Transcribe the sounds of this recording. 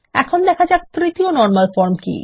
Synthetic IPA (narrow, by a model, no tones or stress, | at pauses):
ɛ̰kʰond̪ɛkʰad͡ʑakt̪ɾit̪ionɔɾmalfɔɾmkḭ